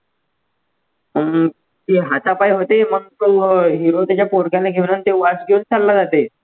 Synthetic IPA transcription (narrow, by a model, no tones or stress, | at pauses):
ə | t̪iɦat̪apajɦot̪eməɡt̪oɦiɾot̪at͡ɕjapoɾɡjalːeɡʱeʋnant̪eʋad͡zɡʱeunt͡sallːad͡zat̪e